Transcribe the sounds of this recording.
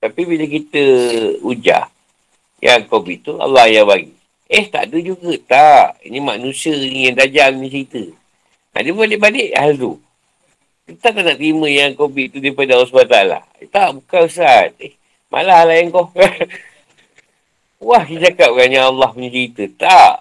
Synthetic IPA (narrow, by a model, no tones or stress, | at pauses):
t̪apibiləkit̪əud͡ʒa̰ʔ | ja̰ŋkobiʔt̪ua̰lːɑhjabaɡḭ | əht̪a̰ʔdəd͡ʒuɡət̪aʔḭnimanũsiənijaŋdad͡ʒamnit͡ʃəit̪ə | a̰dəbbalɪʔbadɪʔhalt̪u | k̪ət̪aʔt̪aʔnaʔt̪ɾiməjaŋkobiʔt̪udaipadəalːɑs̬bat̪aala̰ | t̪aʔbukausat̪̚eh | mʔa̰lahalajaŋkɔhka | wahkid͡ʒakap̚kaɲaalːɑhməɲit͡ʃəɣit̪ət̪aʔ